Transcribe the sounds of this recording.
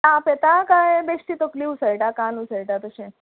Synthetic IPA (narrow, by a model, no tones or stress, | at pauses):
ãpet̪akajbeʂʈ̪it̪okliusəɭʈakãnusəjʈat̪əɕẽ